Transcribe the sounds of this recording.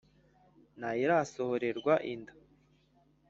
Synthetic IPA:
naiɾasohoɾe̞ɾɡwaʔindḁ

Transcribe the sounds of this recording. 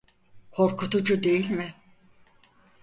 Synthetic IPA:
kʰoɾkʰut̪ʰud͡ʒud̪e̞jilʲmɪ

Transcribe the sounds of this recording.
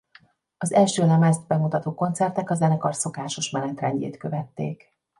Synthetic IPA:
ɒzɛlʃøːlɛmɛzd̪bɛmut̪ɒt̪oːko̞nt̪sɛrt̪ɛkɒzɛnɛkɒrso̞kaːʃo̞ʃmɛnɛt̪rɛɲɟḛːt̪køvɛt̪ːḛːk

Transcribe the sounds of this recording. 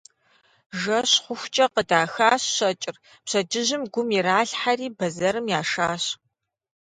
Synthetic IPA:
ʒɐɕχʷʊxʷt͡ʃʼɐqədaːxaːɕɕɐt͡ʃʼɪr | pɕɐd͡ʒɪʑɪmɡʷʊmiɾaːɬħariːbɐzɐɾɨmjaːʂaːɕ

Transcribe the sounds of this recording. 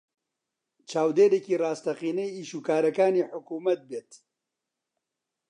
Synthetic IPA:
t͡ʃʰaːwd̪eːɾeːkiːraːst̪ɐqiːnɛjiːʃuːkaːɾɐkaːniːħʊkuːmɐt̪̚beːt̪

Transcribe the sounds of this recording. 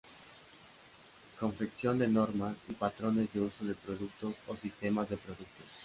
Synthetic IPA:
ko̞ɱfeksjond̪enoɾmasipat̪ɾonezðeusoð̞epɾoðuk̚t̪ososist̪emazðepɾoðuk̚t̪os

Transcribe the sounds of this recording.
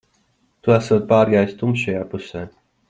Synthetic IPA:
t̪uæsuːt̪̚paːɾɡaːjst̪umʃʃajaːpusɛː

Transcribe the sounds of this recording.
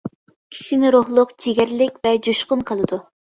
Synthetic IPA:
kʲʰi̥ʃinɪɾoχlˠʊqd͡ʒiɡʲæɾlɪkʲvɛd͡ʒuʃqʊnqʰəlˠɨd̪u

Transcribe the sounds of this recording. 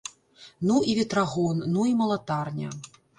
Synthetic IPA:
nuivʲɛt̪ɾaɣɔnːuimɐlˠat̪arnʲɐ̰

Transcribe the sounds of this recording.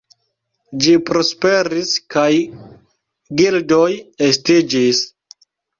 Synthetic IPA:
d͡ʒipɾo̞spe̞ɾiskaj | ɡildojestid͡ʒis

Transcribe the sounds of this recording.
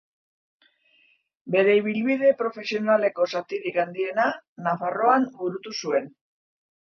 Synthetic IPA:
be̞ɾe̞iβ̞ilβiðe̞pɾo̞fe̞sio̞nale̞ko̞sat̪iɾikand̪ie̞nanafaro̞anbuɾut̪usue̞n

